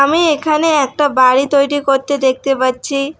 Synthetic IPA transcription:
amiekʰaneɛk̚ʈabaɽit̪ojɽikoɾt̪ed̪ek̚ʰt̪epaɾːt͡ɕʰi

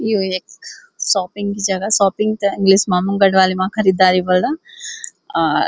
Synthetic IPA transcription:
ijoek | saːpiŋɡid͡ʒaɡasaːpiŋɡt̪ɐiŋɡlismaːmuŋɡɐɖʋaːlimaːkʰɐɾid̪aːɾibɐlɖɐ

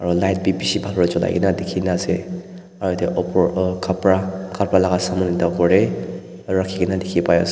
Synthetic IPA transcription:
aɹɔlajt̚bipisibʱalɔɹɔzɔla̰jɡḭnadekʰinaze | aɹɔjteʔɔpɔkʰapɹakapɹalaɡasamɔnitawkɔɹe | ɹakʰiɡinadekʰipajɔ̰s

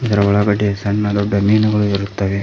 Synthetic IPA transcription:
usɐɾɐʋɐɭɐɡɐʈːesɐnːɐd̪obɐmiːnɐɡɐɭuiɾut̪ːɐːʋe

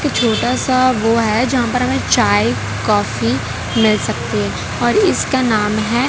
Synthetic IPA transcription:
kt͡ʃʰoːʈasaʋoɦɛd͡ʒɐɦãpɐɾɦɐmẽt͡ʃaːe | kɔːfi | mɪlsɐk̚t̪eɦɛ̃ː | ɔːɾɪskanaːmɦɛː

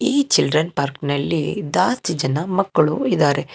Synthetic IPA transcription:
iːt͡ʃilɖɾɐnpaːɾknɐlːḭd̪aːst̪id͡ʒɐnɐmɐkːɐɭuid̪aːɾe̞

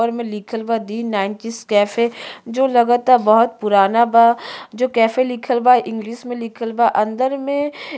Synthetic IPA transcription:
əɾmẽlɪkʰəlbad̪iːnaːɪnʈiskɛːfed͡ʒoːlɐɡət̪aːbɐɦʊt̪̚pʊɾaːnabad͡ʒoːkɛːfelɪkʰəlbaʔɪ̃ŋɡliːʃmẽlɪkʰəlbaʔɐ̃nd̪əɾmẽ

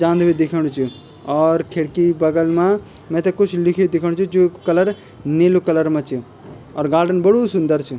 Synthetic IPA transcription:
d͡ʒãːnd̪bid̪ɪkʰəɽ̃t͡ʃʰu | ɔːɾkʰeɽkibəɡəlmã | mɛ̃t̪ɛ̃kʊt͡ʃʰlɪkʰd̪ɪkʰəɽ̃t͡ʃʰud͡ʒokɐləɾ | neːlukɐləɾmãt͡ʃʰi | ɔːɾɡaːɾɖənbəɽusʊ̃nd̪əɾt͡ʃʰi

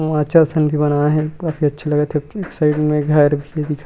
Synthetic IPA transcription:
ãːt͡ʃʰasɐnbʱibɐnaɦɛkaːfiɐtːʃʰelɐɡet̪ʰeeːksaɪɖmẽɡʱɐɾbʱied̪ɪkʰa

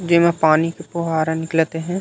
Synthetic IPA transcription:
d͡ʒɪmẽpaːnikepoɦaːɾenɪklt̪eɦɛ̃ː

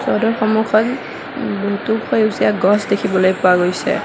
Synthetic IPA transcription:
sɔdɔɹxɔmukʰɔt | bɔɦtukʰojusijaɡɔsdekʰibɔlojpʊaɡojsɛ̰

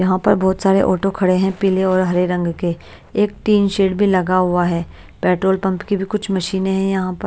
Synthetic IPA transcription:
jɐɦãpɐɾbɔːt̪saːɾeʔɔːʈokʰɐɽeɦɛ̃piːleɔːɾɦɐɾeɾɐ̃ŋɡke | eːk̚ʈiːnʃeːɖbʱilɐɡaɦʊaɦɛː | pɛːʈɾoːlpɐ̃mpkibʱikʊt͡ʃʰmɐʃiːneɦɛ̃jɐɦãpɐ

